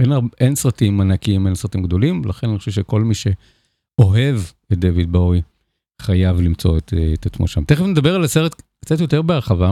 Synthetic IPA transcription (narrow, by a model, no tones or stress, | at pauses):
enaensʁatimanakiimensʁat̪imɡd̪o̞limlaχenaniχoʃevʃeko̞lmiʃe̞ | o̞ɦe̞v | et̚d̪evid̪̚bowi | χajavlimt͡so̞̰ett̪at͡smo̰ʃa̰mt̪eχevned̪abeʁalaseʁet̪kt͡satjo̞teʁbeaʁχava